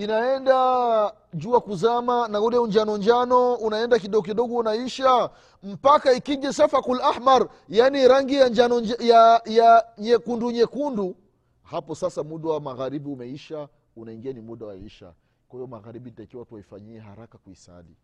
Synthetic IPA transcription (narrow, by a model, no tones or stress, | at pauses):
inaɛnda | d͡ʒuakuzamanaulɛuɲd͡ʒanɔɲd͡ʒanɔunaɛndakiɗɔɡɔk̬iɗɔɡɔunaiʃa | m̩pakaikiʄɛsafakulahmaɾ | janiɾaŋɡijad͡ʒanɔjajaɲɛkunduɲɛkundu | hapɔsasamuɗawamaɣaɾiɓiumɛiʃa | unaiŋɡianimuɗawa̰iʃa̰ | kwahijɔmaɣaɾiɓinitaikiwataifa̰ɲiɛha̰ɾakakuisa̰lḭ